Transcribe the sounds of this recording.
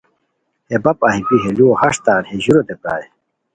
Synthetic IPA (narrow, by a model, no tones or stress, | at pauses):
hebɐpaːɦibiɦeluohɐʂt̪aːɾheʑuɾod̪epaːe